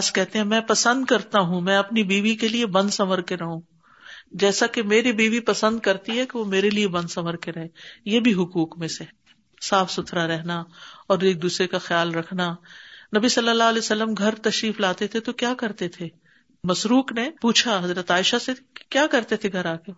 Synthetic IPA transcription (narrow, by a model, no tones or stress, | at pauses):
skɛɦt̪ẽɦɛ̃mɛ̃ːpɐsə̃nd̪kɐɾt̪aɦũmɛ̃ɐpnibiːʋikeliebɐ̃nd̪sɐməɾkeɾɐɦũː | d͡ʒɛːsakemeːɾibiːʋipɐsə̃nd̪̚kɐɾt̪iɦɛkeʋomeːɾeliebɐ̃nd̪sɐməɾkeɾɐɦẽjeːbʱiɦʊkuːkmẽse | saːfsʊt̪ʰɾaɾɛɦnaɔːɾeːk̚d̪uːsɾekaxjaːlɾɐkʰnanɐbisɐlːəlːaɦɐlɛːjosɐlːəmɡʱɐɾt̪ɐʃɾiːflaːt̪et̪ʰet̪okjaːkɐɾt̪et̪ʰe | mɐsɾuːknepuːt͡ʃʰaɦɐzɾət̪aːɪʃasekjaːkɐɾt̪et̪ʰeɡʱɐɾaːke